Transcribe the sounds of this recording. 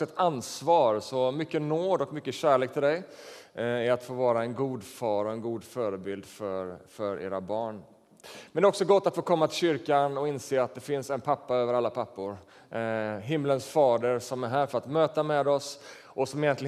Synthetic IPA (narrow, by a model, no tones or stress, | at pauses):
ɛt̪ansvɑːɾsɔmʏkːənoːd̪ɔkmʏkːəɕæːɭeːkt̪ʰɪld̪ɛj | æɾat̪foːvɑːɾaɛnɡuːd̪fɑːɾɔɛnɡuːd̪fœːɾəbɪld̪fœɾfœɾḛːɾabɑːɳ | mɛnd̪ɛɔksɔɡɔt̪ːat̪foːkʰɔmːat̪ʰɪlɕʏɾkanɔɪnseːat̪̚d̪ɛfɪnsɛnpʰapːaøːvəɾalːapʰapːʊɾ | ɦɪmːlənsfɑːd̪əɾsɔmæɾɦæːɾfœɾat̪møːt̪amɛd̪ɔs | ʔɔsɔmɪjɛnɪ